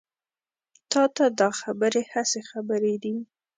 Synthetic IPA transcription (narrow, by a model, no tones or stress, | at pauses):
t̪ɑt̪ad̪ɑxabəɾehasexabəɾed̪i